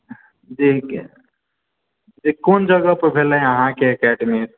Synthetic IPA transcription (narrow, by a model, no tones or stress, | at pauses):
d͡ʒi | d͡ʒikond͡ʒəɡəpbʱelɦẽəɦãkeəkɛɖəmis